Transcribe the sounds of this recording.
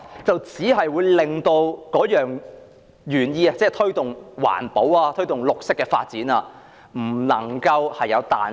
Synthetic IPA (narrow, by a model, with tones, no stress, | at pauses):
t͡sɐ˨wt͡siː˨˥ɦɐ˨jwuː˨˧jlɪ˨ŋt̪o˧wkɔː˨˥jœː˨ŋ | jyː˨˩njiː˧a˧t͡sɛː˥˩t̪ʰɵ˥ɥt̪ʊ˨ŋwa̰ː˨˩npo˨˥waː˧t̪ʰɵ˥ɥt̪ʊ˨˩ŋlʊ˨k̚sɪ˥kːɛː˧fa̰ː˧t̚t͡siː˨˥nɐː˧ | m̩˨˩nɐ̰˨˩ŋkɐ˧whɐ˨jːɐ˨˧wt̪a̰ː˨